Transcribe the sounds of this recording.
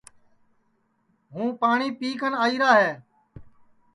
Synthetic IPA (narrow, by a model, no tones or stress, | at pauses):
ɦũːpaːɳiːpiːkənaːiːɾaːɦeː